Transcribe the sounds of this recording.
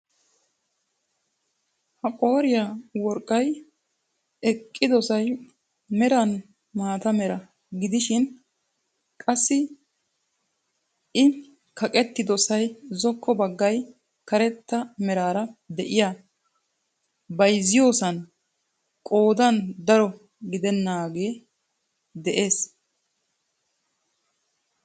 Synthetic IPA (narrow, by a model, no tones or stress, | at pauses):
hɐkʼo̞ːɾɪjawɔɾkʼːɐj | ɛkʼːɪd̪ɔsɐj | mɛɾɐn | maːt̪ɐmɛɾɐ | ɡɪd̪ɪʃɪn | kʼɐsːɪ | ɪ | kʰɐkʼɛt̪ːɪd̪ɔsɐjzɔkʰːɔbɐɡːɐj | kɐɾɛt̪ːɐmɛɾaːɾɐd̪ɛʔɪja | bɐjzɪjo̞ːsɐn | kʼo̞ːd̪ɐnd̪ɐɾɔ | ɡɪd̪ɛnːaːɡe̞ː | d̪ɛʔe̞ːs